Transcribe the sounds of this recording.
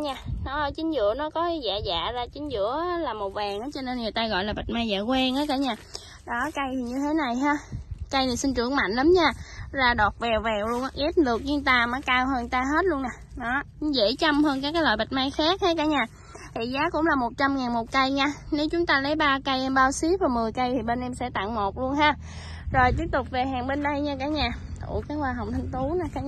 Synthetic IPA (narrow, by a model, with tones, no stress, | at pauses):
ɲaː˧˩nɔ˨˦˧t͡ɕï˨˦ŋ̟zɨ̰˧˨ənɔ˨˦kɔ˨˦˨za̰ː˧˨˩za̰ː˧˨zaː˧˩t͡ɕï˨˦ŋ̟zɨ̰˧˥ə˦laː˨˩mo˨˩vɛː˨˩ŋʔaː˨˦t͡ɕɔ˧ne˧nŋɨ˨˩əjt̪aː˧ɣɔ̰˧˨jlaː˨˩ɓa˨˩t̟̚maː˧jza̰ː˧˨kwɛ˧nʔaː˨˦jkaː˨˦ɲaː˧˩ | ɗɔ˨˦ka˧jt̪ʰi˨˩ɲɨ˧t̪ʰe˨˦na˨˩jɦaː˧kə˧jni˨˩sï˧nt͡ɕɨ˧˩əŋma̰˧˨jŋ̟ləː˨˦mɲaː˧˩zaː˧˩ɗɔ˨˩t̚vɛ˨˩wvɛ˨˩wlu˧əŋʔa˧ʔi˦˥p̚lɨ˨˩ək̚ɲɨ˧t̪aː˧maː˨˦kaː˧wɦəː˧nt̪aː˧ɦe˦˥t̚lu˧əna˨˩nɔ˨˦kŋ͡mzḛ˧˥t͡ɕa˧mhəː˧nkaː˨˦kaː˨˦la̰˧˨˩ɓa˨˩t̟̚maː˧jxaː˦˥k̚haː˨˦jkaː˨˦ɲaː˧˩ | h̪ʰi˧˨˩zaː˨˦kʊ̰˧˥ŋ͡mlaː˨˩mo˨˩t̚t͡ɕa˧mŋaː˨˩nmo˨˩t̚kə˧jɲaː˧ne˨˦wt͡ɕʊ˨˦ŋ͡mt̪aː˧lə˨˦jɓaː˧kə˧jʔɛ˧mɓaː˧wsi˨˦vɔː˨˩mɨ˨˩əjkə˧jt̪ʰi˨˩ɓe˧nʔɛ˧msɛ̰˧˥t̪a̰˧˨ŋmo˨˩t̚lu˧ənɦaː˧ | zo˨˩jt̪̬i˦˥əp̚t̪ʊ˨˩k͡p̚ve˨˩ɦaː˨˩ŋɓe˧nɗə˧jɲaː˧kaː˨˩˦ɲaː˨˧˩t̪ṵ˧˩kaː˨˦˥waː˧ɦa˨wŋ͡mt̪ʰa˧jŋ̟t̪u˨˦na˨˩kaː˨˦